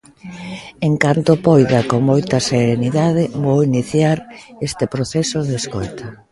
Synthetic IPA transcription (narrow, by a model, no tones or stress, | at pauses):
eŋkant̪opojðɐkoŋmojt̪ɐseɾeniðað̞ɪβowiniθjaɾest̪ɪpɾoθɛsoðeskojt̪a